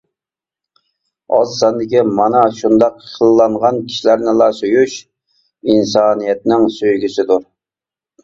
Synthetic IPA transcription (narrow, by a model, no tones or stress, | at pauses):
ɑ̰zsɛnd̪ɪkʲimɑnɑʃund̪ɑqʰəlˠlːˠɑɴʁɑnkʲʰi̥ʃlæɾnɪlˠɑsøjyʃ | insɑːnijɛt̪nɪŋsøjɡʲysɪd̪uɾ